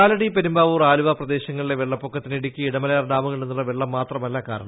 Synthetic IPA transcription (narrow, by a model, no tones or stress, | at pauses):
aːlɐɽipɐɾumbaːʋuːraːluʋaprɐd̪e̞ːɕɐŋːɐɭile̞ʋeɭːɐpːokːɐt̪ːiniɽikʲːiiɽɐmɐlɐjaːrɖ̪aːmɐŋːɐɭenːuɭːɐʋeɭːɐmːaːt̪rɐmɐlːɐka̰ːɾɐ̰ɳɐm